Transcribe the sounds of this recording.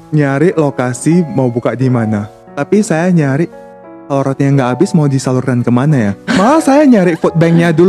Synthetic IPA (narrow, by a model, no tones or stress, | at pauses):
ɲaɾɪʔlokasimaubukaʔdimana | t̪apisajaɲaɾɪʔ | saluɾɔt̪̚ɲaŋɡaʔːbɪsmaudisalʊrkankəmanajamalasajaɲaɾɪʔfɔt̪̚bɛŋɲadul